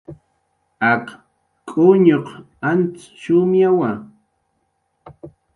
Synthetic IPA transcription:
ak | kʼʊɲoq | ant͡s | ʃʊmjawa

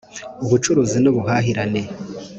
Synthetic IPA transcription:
uβut͡ʃuɾuːzinuβuɦaːɦiɾane̞

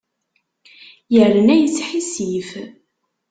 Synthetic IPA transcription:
jələnæjət͡sːħisif

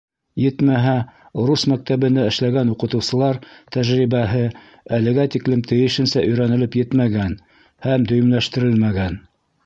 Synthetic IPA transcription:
jɘt̪mæɦæ | oɾusmæk̚t̪æβɘ̆nd̪æɘ̆ʃlæɡænuqɤ̆t̪ɤ̆wsɤ̆lˠɑɾt̪æʒɾiβæɦɘ | ælɘ̆ɡæt̪iklɘmt̪ʰɘ̆jɘ̆ʃɘ̆nsæʔɵ̆jɾænɘ̆lɘpjɘt̪mæɡæn | hæmd̪ɵ̆jɘ̆mlæʃt̪ɘ̆ɾɘlmæɡæn

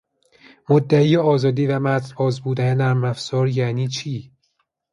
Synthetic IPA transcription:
mod̪ːæiːjeɒːzɒːd̪iːvæmæt̪ʰbʰɒːzbuːd̪ænenæɾmæfz̥ɒːɾjæːniːt͡ʃʰiː

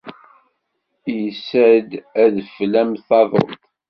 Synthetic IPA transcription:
jəsəd̪æðflæmθɑðˤo̰lt̪ˤ

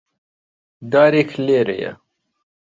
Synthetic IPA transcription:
d̪aːɾekʰleːɾḛjɐ̰

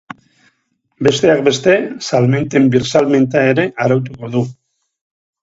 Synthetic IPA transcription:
be̞st̪e̞ak̚be̞st̪e̞salme̞nt̪e̞mbiɾsalme̞nt̪ae̞ɾe̞ʔaɾawt̪̬uko̞ðu

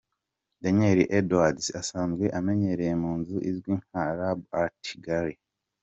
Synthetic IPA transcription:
daɲeɾiʔedwadsasaːnzɡwe̞ʔame̞ɲe̞ɾejemuːnzuʔizɡwiːnhaɾabatʰi̥ɡaɾi

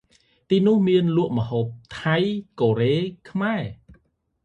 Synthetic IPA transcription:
t̪iːnʊ̆əhmiənlŭəʔməɦoːp̚t̪ʰajkoːɾeːkʰmaɛ

